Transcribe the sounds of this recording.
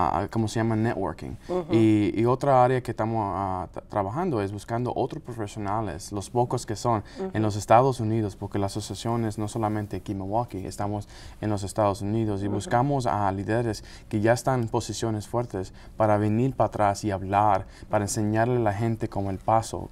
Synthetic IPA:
ko̞mosejamanet̪wo̰ɾkḭ̃ŋiio̞t̪ɾaaɾeakest̪amosat̪ɾaβaxãnd̪oe̞zβuskand̪o̰ʔot̪ɾospɾofesjo̞nalḛslospo̞koske̞so̞nenlo̞s̬e̞st̪aðosuniðospo̞ɾkelaːsosjasjo̞nezno̞so̞lament̪ekimewakiḛst̪amos | enlo̞s̬e̞st̪aðosuniðos̬iβuskamosa̰liðeɾes | ke̞ʝaest̪anenpo̞sisjo̞ne̞sfwe̞ɾt̪e̞s | paɾaβe̞niɾpat̪ɾasiaβlaɾpaɾaense̞ɲaɾlelaxẽ̞nt̪e̞komoe̞lpaso̰

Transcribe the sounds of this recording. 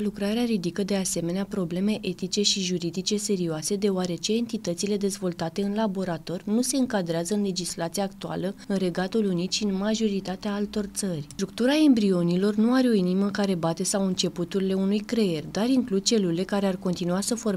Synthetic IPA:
lukɾaɾeaɾid̪ikəd̪e̞ase̞me̞neapɾo̞ble̞me̞ʔe̞t̪it͡ʃe̞ʃiʒuɾid̪it͡ʃe̞se̞ɾioase̞d̪e̞oaɾe̞t͡ʃe̞ːnt̪it̪ət̪sile̞d̪e̞zvo̞lt̪at̪e̞ɨnlabo̞ɾat̪o̞rʲnuse̞ɨŋkad̪ɾeazəɨnle̞d͡ʒislat̪siaːk̚t̪ua̰ləɨnre̞ɡat̪ulunit̪ʃiɨnmaʒo̞ɾit̪at̪eaalt̪o̞rt̪sərʲɾuk̚t̪uɾae̞mbɾio̞nilo̞rnuaɾeo̞iniməkaɾe̞bat̪e̞sawɨnt͡ʃe̞put̪uɾile̞unujkɾe̞erʲd̪aɾiŋklud̪̚t͡ʃe̞lule̞kaɾe̞arko̞nt̪inuasəfo̞r

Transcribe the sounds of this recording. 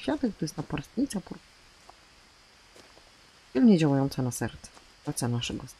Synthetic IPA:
fʲjat̪ɛkt̪ɾɛst̪napaɾst̪ɲit̪sapuɾ | pilɲɛd͡ʑawajɔnt̪sanasɛɾt̪sɛ̥ | pɾat̪sɛnaʂɛɡɔs

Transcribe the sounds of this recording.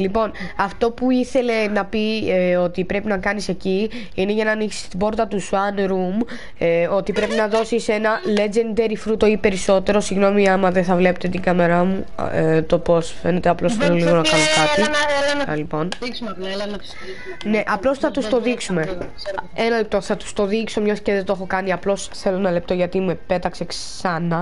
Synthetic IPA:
lipo̞nɐft̪o̞puiθe̞le̞nɐpio̞t̪ipɾe̞pinɐkɐnise̞ci | ine̞ʝɐnɐːniksi̥st̪ibo̞ɾt̪ɐt̪usɐnɾum | o̞t̪ipɾe̞pinɐðo̞sise̞nɐle̞d͡ʒe̞nd̪e̞ɾifɾut̪o̞ipe̞ɾiso̞t̪e̞ɾo̞siɣno̞miɐmɐðeθɐvle̞pet̪et̪iŋɡɐme̞ɾɐmut̪o̞po̞sfe̞ne̞t̪e̞ɐplo̞sθeloliɣo̞nɐkɐnokɐt̪iɐlipo̞n | ne̞ʔɐplo̞sθɐt̪ust̪o̞ðiksume̞ | enɐlep̚t̪o̞θɐt̪u̥st̪o̞ðikso̞mɲosceðet̪oxo̞kɐniɐplo̞sθe̞lo̞nɐle̞p̚t̪o̞ʝɐt̪imuepe̞t̪ɐkse̞ksɐnɐ

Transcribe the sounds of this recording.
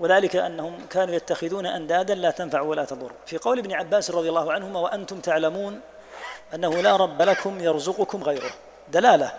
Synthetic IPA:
waðaːlɪkaʔanːahʊmkaːnuːjat̪ːaxɪðuːnaʔand̪aːd̪anlaːt̪anfaʕwalaːt̪ɑðˤʊ̰rːfiːqɑwlɪbnɪʕabːaːsrˤɑðˤjalːɑːhʊʕanhʊmaːwaʔant̪ʊmt̪aʕlamuːn | ʔanːahʊlaːɾˤɑbːalakʊmjɑɾˤzʊqʊkʊmɣajɾʊh | d̪alaːla

